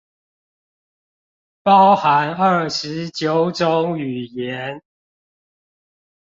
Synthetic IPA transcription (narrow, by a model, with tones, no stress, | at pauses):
pɑ˦ʊxa˨˦nə˥˩ʂɻ̩˨˦t͡ɕjo˨˦ʊʈ͡ʂo˦ŋy˨˩jɛ˨˦n